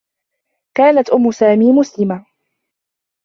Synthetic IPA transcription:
kaːnat̪ʔʊmːʊsaːmiːmʊslɪma

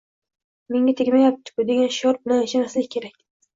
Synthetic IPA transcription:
me̞ŋɡʲat̪ʰekʲmajap̚t̪ʰɪ̥kʲʊd̪e̞ɡʲanʃɒɾbnaeʃamaslɪkʲkʰʲːe̞ɾakʲ

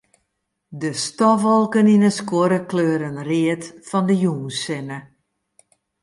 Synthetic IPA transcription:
dəstɔʋɔlˠkəninəskwoɾəkløːɾənrɪətfɔndəjuːnsɪnə

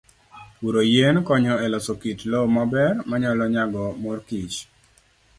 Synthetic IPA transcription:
uɾojenkɔɲɔɛlɔsokitlomabɛrmaɲalɔɲaɡɔmɔrkit͡ʃ

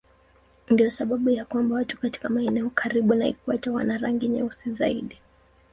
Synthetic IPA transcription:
ndiɔsaɓaɓujakwambawatu̥kati̥kamaɛnɛɔkʰaɾiɓunaḭkuatawa̰naɾaŋɡiɲɛ̰usizaḭɗi

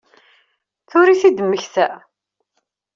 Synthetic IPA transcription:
θʊɾiθid̪əmːəçθæ

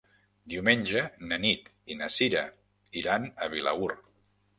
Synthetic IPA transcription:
d̪iwmenʲʒənənit̪ | inəsiɾə | iɾanəβila̰ur

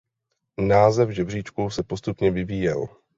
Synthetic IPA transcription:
naːzɛvʒɛbr̝iːt͡ʃkuwsɛpo̞st̪upɲɛvɪviːjɛl

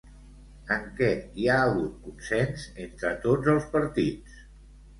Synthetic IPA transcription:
əŋkɛiaəɣut̪̚kunsɛnzent̪ɾət̪od͡zəlˠspəɾt̪it͡s

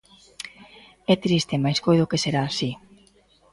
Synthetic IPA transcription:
ɛt̪ɾist̪emajskojðʊkeseɾaːsi

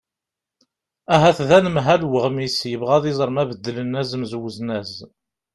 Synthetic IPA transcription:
æɦæθðænəmɦælwəʁmisjəvʁæðizˤɾˤmævəd̪ːələnːæzəmzwəznæz

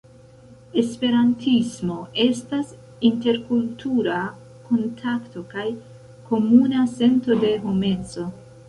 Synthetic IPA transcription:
e̞spe̞ɾantʰismo̞e̞stas | inte̞ɾkultʰuɾa | ko̞ntʰakto̞kaj | ko̞munase̞nto̞de̞ɦome̞t͡so̞

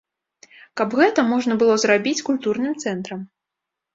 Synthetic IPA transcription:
kɐbɣɛt̪ɐmɔʐn̪ɐbɨlˠɔzrabʲit͡sʲkulʲt̪urnɨmt̪sɛnt̪ɾɐm

